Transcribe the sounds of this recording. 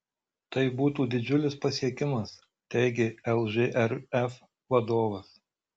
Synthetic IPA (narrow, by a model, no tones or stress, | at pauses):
t̪ɐɪbuːt̪uːd̪ʲɪd͡ʒʲʊlʲɪspɐsʲiɛkʲɪmɐs | t̪ʲɛɪɡʲeɛlˠʒeʔɛɾɛf | ʋɐd̪oːʋɐs